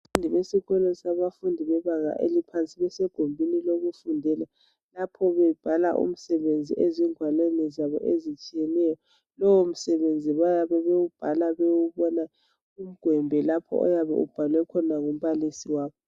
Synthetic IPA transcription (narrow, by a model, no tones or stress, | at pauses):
undʱiβesiɣɛlɔsaβafundʱiβɛβaŋa̰ʔḛlipʰant͡sʼiβɛsɛɡ̥ʱombʱiniloɣufundʱɛla | lapʰɔβɛb̥ʱala̰ʔṵm̩sɛβend͡zʱiʔɛziŋʱwalɛnɛzaβɔ̰ʔezit͡ʃʼijɛnɛjɔ | lɔwom̩sɛβend͡zʱiβajaβɛβewub̥ʱalaβewuβɔna | um̩ɡ̥ʱwɛmbʱɛlapʰɔ̰ɔ̰jaβɛ̰ṵb̥ʱalwɛkʰɔnaŋum̩βalisiwaːβɔ